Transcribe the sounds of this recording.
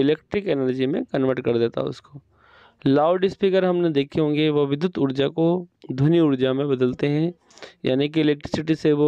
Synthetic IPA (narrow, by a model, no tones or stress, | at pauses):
ɪleːk̚ʈɾɪkɛnəɾd͡ʒimẽkɐnʋəɾʈkɐɾd̪eːt̪a̰ɦɛʊ̰skoː | laːʊɖɪspikəɾɦɐmned̪eːkʰeɦõːŋɡeʋɐʋɪd̪jʊt̪ʊɾd͡ʒakod̪ʱʊniʊɾd͡ʒamẽbɐd̪əlt̪eɦɛ̃ | ja̰ːnik̬iɪleːk̚ʈɾɪsɪʈiseʋo